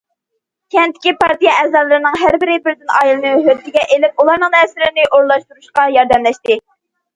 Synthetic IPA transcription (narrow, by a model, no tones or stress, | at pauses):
kʲʰɛnt̪ʰɪ̥kʲipʰɑɾt̪ijɛʔɛzɑlˠɨɾɨnɨŋɦæɾbɪɾɪbɪɾd̪ɪnʔɑ̰ːjilˠɨnɨɦøɾt̪ʰɪɡʲɛʔelɪp̚ulˠɑɾnɨŋɛsɪɾɪnɪʔoɾlˠɑʃt̪uɾuʃqɑjɑɾd̪ɛmlɛʃt̪ɪ